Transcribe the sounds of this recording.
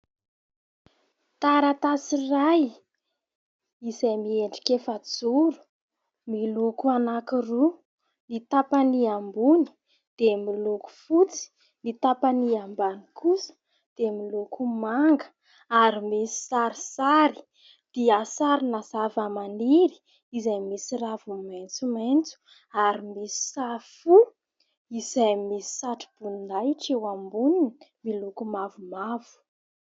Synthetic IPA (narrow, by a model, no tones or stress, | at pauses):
t̪aɾat̪asiraj | izajmieɳɖ͡ʐi̥kefad͡zuɾu̥ | milukuanakiru | nit̪apaniambuni̥ | d̪̥emiluku̥fut͡si̥ | mit̪apaniambanikʰusə̥ | d̪̥emilukumaŋɡə̥ | aɾimisi̥saɾisaɾi̥ | d̪̥iasaɾinazavamaniɾi̥ | izajmisiɾavumant͡sumaent͡su̥ | aɾimisi̥safu | izajmisi̥saʈ͡ʂi̥b̥unnajʈ͡ʂewambuninimilukumavumavu̥